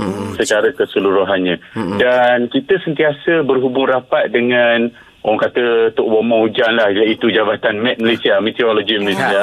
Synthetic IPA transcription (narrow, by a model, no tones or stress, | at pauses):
sət͡ʃaɾəkəsəluɾuɦanɲãdankit̪əsənt̪iasəbərɦubʊŋrapat̪̚dəŋan | oaŋkat̪ət̪ʊʔwomɔ̃hud͡ʒanlahjait̪ud͡ʒabat̪anmɛ̃t̪̚məlesiamet̪ioloɡiməlesia